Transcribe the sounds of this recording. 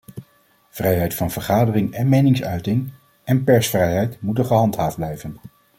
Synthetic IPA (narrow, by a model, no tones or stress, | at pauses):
v̥rɛjɦɛjtfɑnvəɹχaːdərɪŋɛnmejnɪŋsœɥtɪŋ | ɛnpɛɹsfrɛjɦɛjtmutənχəɦɑntɦaːfdblɛjvən